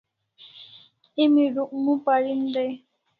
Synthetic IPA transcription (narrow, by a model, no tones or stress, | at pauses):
imiɾuʔmũpaɾin̩de